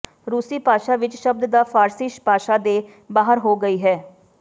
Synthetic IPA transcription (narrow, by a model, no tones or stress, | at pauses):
ɾuːsiːpaːʃaːʋɪt͡ʃʃəb̚d̪d̪aːpʰaːɾsɪʃpaːʃaːd̪eː | baːɦəɾɦoːɡəiːɦɛː